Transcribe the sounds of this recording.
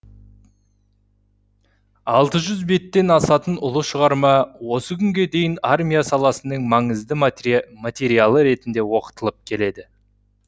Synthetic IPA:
ɑlˠt̪əʒʏzbe̞t̪ːe̞nɑsɑt̪ənʊlˠəʃəʁɑɾmɑwo̞səkʲʰʏŋɡʲe̞d̪e̞jɪnarmʲijasɑlˠɑsənəɴmɑɴəzd̪əmat̪ʲe̞ɾijalˠəɾe̞t̪ɪnd̪e̞wo̞qə̥t̪əlˠəp̚kʲʰe̞le̞d̪ɪ

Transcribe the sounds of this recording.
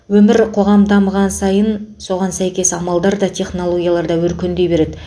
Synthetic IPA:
wɵmɪɾqʰo̞ʁɑmd̪ɑməʁɑnsɑjənso̞ʁɑnsæjkʲe̞sɑmɑlˠd̪ɑɾd̪ɑt̪ʲʰe̞χno̞lˠo̞ɡʲijalˠɑɾd̪ɑwɵɾkʲe̞nd̪e̞jbe̞ɾe̞d̪ɪ

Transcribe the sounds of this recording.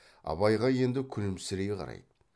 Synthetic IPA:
ɑ̰bɑjʁɑje̞nd̪ɪkʲʰʏnɪmsɪɾejqʰɑ̰ɾɑ̰jd̪ə

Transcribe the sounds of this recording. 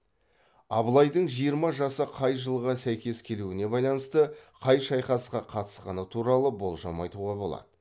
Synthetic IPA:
ɑbəlˠɑjd̪əɴʒijəɾmɑʒɑsəqʰɑjʒəlˠʁɑsæjkʲe̞skʲʰe̞luɪne̞bɑjlˠɑnəst̪əqʰɑjʃɑjqɑsqɑqʰɑt̪ə̥sqɑnət̪ʰuɾɑlˠəbo̞lˠʒɑmɑjt̪uʁɑbo̞lˠɑ̰d̪̥ə

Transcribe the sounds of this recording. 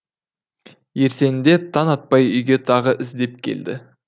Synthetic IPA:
je̞ɾse̞nɪd̪e̞t̪ʰɑnɑt̪̚pɑjʏjɡʲe̞t̪ʰɑʁəʔɪzd̪e̞p̚kʲʰe̞̰ld̪ɪ̰

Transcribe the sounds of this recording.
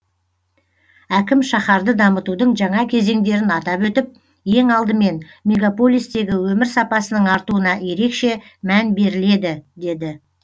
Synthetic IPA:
ækʲɪmʃɑχɑɾd̪əd̪ɑmət̪ud̪əɴʒɑɴɑkʲʰe̞ze̞ŋd̪e̞ɾɪnɑt̪ɑpwɵt̪ɪp̚ | je̞ŋɑlˠd̪əme̞n | mʲe̞ɡapo̞lʲˠijst̪e̞ɡʲɪwɵmɪɾsɑpɑsənəɴɑɾt̪uənɑje̞ɾe̞kʃe̞mænbe̞ɾɪle̞d̪ɪd̪e̞d̪ɪ

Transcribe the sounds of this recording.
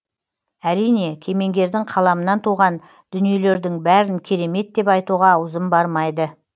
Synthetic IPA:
æɾijne̞kʲʰe̞me̞ŋɡʲe̞ɾd̪ɪŋqʰɑlˠɑmənɑnt̪ʰuʁɑn | d̪̥ʏnije̞le̞ɾd̪ɪŋbæɾɪnkʲʰe̞ɾe̞me̞t̪̚d̪e̞pɑjt̪uʁɑʊzəmbɑɾmɑjd̪ə

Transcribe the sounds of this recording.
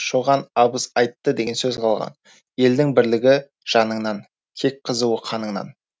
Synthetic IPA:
ʃoʁɑnɑbəsɑjt̪ːəd̪e̞ɡʲe̞nsɵzqʰɑlˠʁɑ̰n | je̞ld̪ɪŋbɪɾlɪɡʲɪ | ʒ̥ɑnəɴnɑn | kʲʰe̞k̚qʰəzuwəqʰɑnəɴnɑ̰n

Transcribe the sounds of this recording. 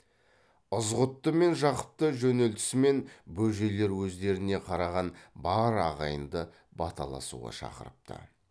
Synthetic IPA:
əzʁʊt̪ːəme̞nʒɑqə̥p̚t̪əʒɵne̞lt̪ɪ̥sɪme̞nbɵʒe̞le̞ɾwɵzd̪e̞ɾɪne̞qʰɑɾɑʁɑnbɑɾɑʁɑjənd̪ə | bɑt̪ʰɑ̰lˠɑ̰sṵʁɑ̰ʃɑ̰qə̰ɾəp̚t̪ʰə̰

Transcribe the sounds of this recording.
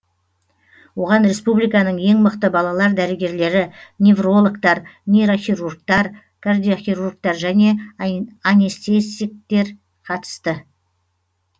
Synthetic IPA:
wo̞ʁɑnɾe̞spublijkɑnəɴje̞ŋməqt̪əbɑlˠɑlˠɑɾd̪æɾɪɡʲe̞ɾle̞ɾɪnevro̞lˠəkt̪ɑɾnejɾo̞χʲiɾurkt̪ɑɾ | kʰard̪ijoχʲiɾurɡ̚t̪ɑɾʒæne̞ | anʲest̪esik̚t̪e̞ɾ | qʰɑt̪ə̥st̪ə

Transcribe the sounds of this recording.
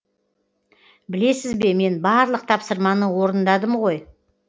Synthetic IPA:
bɪle̞sɪzbe̞me̞nbɑɾlˠəq̚t̪ʰɑpsəɾmɑnəwo̞ɾənd̪ɑd̪əmʁo̞j

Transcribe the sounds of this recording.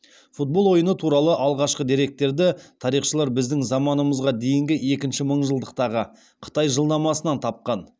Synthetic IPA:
fut̪̚bo̞lˠwo̞jənət̪ʰuɾɑlˠəʔɑlˠʁɑʃqəd̪iɾe̞k̚t̪ːe̞ɾd̪ɪt̪ʰɑɾijχʃəlˠɑɾbɪzd̪ɪŋzɑmɑnəməzʁɑd̪e̞jɪŋɡʲɪe̞kʲɪnʃɪməɴʒəlˠd̪əq̚t̪ɑʁə | qʰə̥t̪ɑjʒəlˠd̪ɑmɑsənɑnt̪ʰɑp̚qɑn

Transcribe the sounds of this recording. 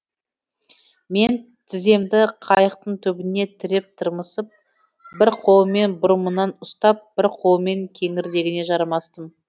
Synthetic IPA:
me̞n | t̪ʰɪze̞md̪ɪqʰɑjəqt̪əɴt̪ʰɵbɪne̞t̪ʰɪɾɪp̚t̪ʰəɾməsəp̚ | bɪɾqʰo̞lˠəme̞nbʊɾəmənɑnʊst̪ɑp̚b̥ɪɾqʰo̞lˠəme̞ŋkʲʰe̞ŋɪɾd̪e̞ɡʲɪne̞ʒɑɾmɑst̪əm

